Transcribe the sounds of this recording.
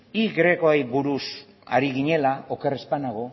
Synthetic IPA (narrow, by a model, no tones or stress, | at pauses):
iɡɾekoajβuɾus | a̰ɾiɣ̞iɲe̞laokerespanaɣo̞